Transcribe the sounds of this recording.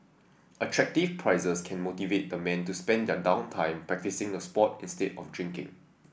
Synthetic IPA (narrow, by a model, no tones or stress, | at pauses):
ʔətʰɹɛk̚tifpʰɹaɪzəskʰɛ̃nmotivet̚dəmɛ̃ntuspɛ̃ndɛdãʊ̃ntʰãɪ̃mpɹɛk̚tisɪ̃ŋdəspɔtĩnstetɔ̰fdɹɪ̃ŋkɪ̰̃ŋ